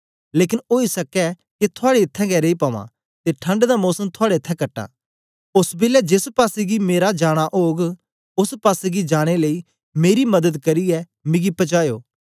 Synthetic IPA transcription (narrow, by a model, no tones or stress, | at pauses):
leːkɪnoːisɐkɛ | ket̪ʰʊaːɽeɪt̪ʰːɛ̃ɡɛːɾeipaːʋã̰ | t̪eʈʰɐ̃ɳɖd̪amɔːsəmt̪ʰʊaːɽeɪt̪ʰːɛ̃kɐʈːa̰ː | ʊsbeːljad͡ʒɪspaːsiɡimeːɾad͡ʒaːɽ̃aʔoːɡ | ʊspaːseɡid͡ʒaːɽ̃eləi | meːɾimɐd̪əd̪kɐɾiɛ | mɪ̃ɡipɐt͡ʃaːjoː